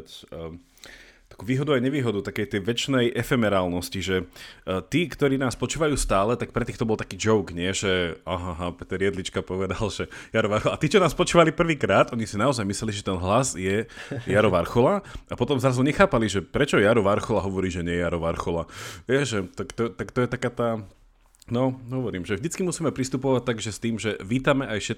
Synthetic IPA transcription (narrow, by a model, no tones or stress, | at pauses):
t̪ḁkuːʋiːɦɔd̪uajɲɛʋiːɦɔd̪ut̪akɛjt̪ɛjʋɛt͡ʃnɛjʔɛfɛmɛɾaːlnɔsciʒɛt̪iːkt̪ɔɾiːnaːspɔt͡ʃuːʋajuːst̪aːlɛt̪ak̚pɾɛt̪iːxt̪ɔbɔlt̪ḁkiːd͡ʒɔʊkɲɪɛʒɛaɦaɦapɛt̪ɛɾjɛd̪lit͡ʃkapɔʋɛd̪alʒɛjaɾɔʋaɾxɔlaʔat̪iːt͡ʃɔnaːspɔt͡ʃuːʋalipr̩ʋiːkɾaːd̪ɔɲisinaɔzajmislɛliʒɛt̪ɛnɦlazjɛjaɾɔʋaɾxɔlaapɔt̪ɔmzɾazɔʊɲɛxaːpaliʒɛpɾɛt͡ʃɔjaɾɔʋaɾxɔlaɦɔʋɔɾiːʒɛɲɪɛɛjaɾɔʋaɾxɔlaʋɪɛʒʒɛt̪akt̪ɔt̪akt̪ɔjɛt̪akaːt̪aː | nɔɦɔʋɔɾiːmʒɛvʒd̪it͡skimusiːmɛpɾist̪upɔʋat̚t̪ːaɡʒɛst̪iːmʒɛʋiːt̪amɛʔajfʃɛt̪